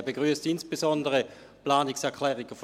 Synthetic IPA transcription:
beɡʁyəstɪnsb̥ezɔndəʁə | plaːniksɛɐkʰlɛːʁiɡ̥əf

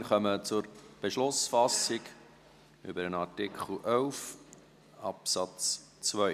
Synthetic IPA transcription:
rχœmət͡sʊrb̥eʃlʊsfɑsɪk | ʏ̰bəɾənɑrtɪkχl̩ʔœʊf | ɑpsɑt͡s | t͡svœ

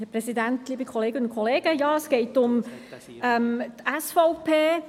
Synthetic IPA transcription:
hɛprɛsidæntliːbikʰɔleːɡənʊnkʰɔleːɡ̥əjɑːəsɡ̥ɛɪtʊm | ɛmtɛsfɔʊpʰeː

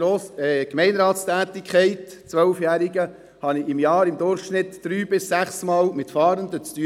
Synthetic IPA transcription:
oːɛkmɛɪnɾɑːtst̪æːt̪ɪkχɛɪtt͡sʋœlfjæːɾiɡə | hɑnɪɪmjɑːɾɪmd̪ʊɾχʃnɪt̪ːd̥ɾyːbɪsːæχsmɑːlmɪtfɑːɾənd̪ət͡st̪y

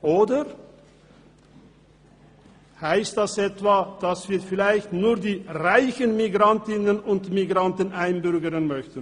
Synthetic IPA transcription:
ʔoːdə | haɪstd̥asʔɛtv̥aːd̥asv̥iːɐfɪlaɪçtnuːɐdiːʁaɪçənmiɡʁantɪnənʊntmiɡʁantənʔaɪnbʏʁɡəʁənmœçtən̩

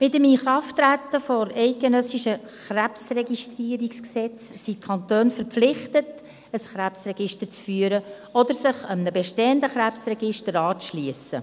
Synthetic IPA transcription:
mɪtəmiχɾɑftɾæt̪ːəfɔɾɛɪt̚ɡ̥enœsiʃə | χɾæpsrɛɡiʃtriːəɾiksksɛt͡ssit̚kʰɑnt̪øːnfəɾpflɪχtət | əsχɾæpsrɛɡɪʃtəɾt͡sfyːəɾə | ɔd̪əɾsɪχəmnəbɛʃteːəndəχɾæpsrɛɡɪʃtəɾɑːt͡sʃliəsə̰

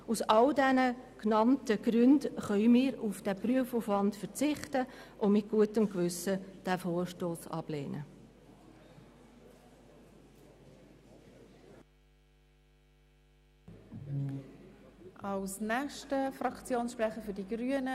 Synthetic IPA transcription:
usɑldɛnəknɑntəɡ̥rʏndχœʏmɪːɾufd̥æpryəfuːfvɑntfəɾt͡sɪχtəʔʊmɪt̚ɡ̥uətəmkvʏsəd̥æfoːɾʃtoːsɑ̰b̥lḛːnʔə̰ | ʔɑlsnɛχʃtəfrɑkt͡sjoːnsʃpʁɛχəfʏdiɡ̥ɾyənə

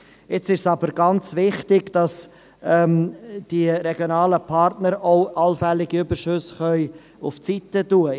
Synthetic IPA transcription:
ɪt͡sɪʃsɑbəɾɡɑnt͡svɪχtɪɡ̥d̥ɑs | ɛmd̥iɾɛɡjonɑːləpʰɑɾtnəɾoʊʔɑlfɛlːɪɡiybəɾʃʏsχœʏ | ʊft͡sitətuə

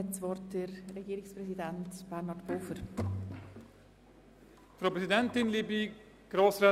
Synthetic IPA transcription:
ɛtsʋɔɾtdəɾreɡiːɾɪksprɛsidɛntb̥ɛɾnɑtb̥oːfəɾ | fɾaoːpɾɛsidɛntɪnliːbi | ɡ̥ɾoːsɾɛ

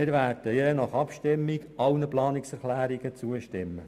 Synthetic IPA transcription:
ɪɾʋæːrd̥əjɛnɑχɑpʃtɪmːiɡʔɑwnəplɑːnɪksɛɾχlæːɾiɡət͡suəʃtɪmːə

